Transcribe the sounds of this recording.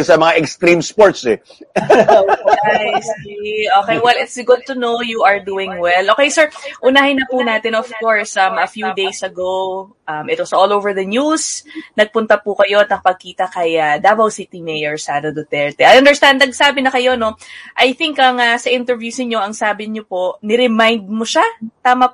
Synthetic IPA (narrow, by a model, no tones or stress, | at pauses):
sɐmɐŋaʔɛkst̪ɾĩmspoɹt̪sɛ | oejsʔoːkejwɛlɪt̪sɡʊd̪̚t̪ʊnowjuɐɹd̪uːɪ̃ŋwɛlʔokejsɛɹʔʊnaːhɪnːɐpuːnaːt̪ɪnɔv̥koɹsɐmɐfjud̪ejsɐɡow | ʔɐmʔɪt̪wɐsʔoːlowvəɹðɐnusnɐɡ̚pʊnt̪ɐpukɐjo̞ɐt̪̚nɐk̚pɐɡ̚kiːt̪ɐkɐjɐd̪aːbɐwsit̪imɛjɛɹsaːd̪ɐd̪ot̪ɛɹt̪ɛʔɐjɐnd̪ɛɹst̪and̪̚nɐɡ̚saːbɪnɐkɐjo̞no̞ʔɐjθɪŋkɐŋɐsɐʔɪnt̪ɛɹvjuːsɪŋɲo̞ʔɐŋsaːbɪɲopo̞ʔnɪɾɛmajnd̪̚moʃat̪aːmɐ